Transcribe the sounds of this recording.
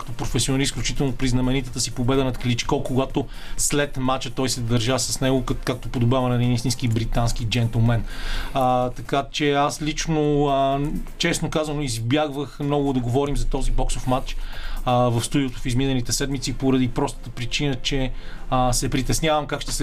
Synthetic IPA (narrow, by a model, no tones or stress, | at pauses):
kə̥t̪opɾofɛsionɾisklʲut͡ʃit̪ɛlˠnopɾiznɐmɛnit̪ət̪əsipobɛd̪ənɐt̪klit͡ʃkɔkoɡat̪o | slɛt̪mat͡ʃət̪ɔjsɛd̪ɐɾʒasɐsnɛɡokak̚t̪opod̪obavɐnɛd̪inist̪ĩnskibɾit̪anskid͡ʒɛnt̪ɛlˠmɛnət̪ɐkat͡ʃɛaslʲit͡ʃno | t͡ʃɛsnokazɐnoizbjaɡvəxmnɔɡʊd̪ɐɡovɔɾimzɐt̪ɔzibɔksofmat͡ʃ | vɐfst̪ud̪iot̪ofizminɛlit̪ɛsɛd̪mit̪sipoɾɐd̪ipɾɔst̪ə̥t̪əpɾit͡ʃinət͡ʃɛəsɛpɾit̪ɛsnʲavəmkakʃt̪ɛ̥sɛ